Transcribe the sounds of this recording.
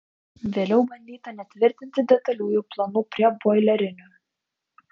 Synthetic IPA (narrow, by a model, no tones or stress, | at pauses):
ʋʲeːlʲɛʊbɐnʲd̪ʲiːt̪ɐnʲɛt̪ʲʋʲɪɾʲt̪ʲɪnʲt̪ʲɪd̪ʲɛt̪ɐlʲuːjuːplˠɐnupʲɾʲiɛbojlʲɛɾʲɪnʲo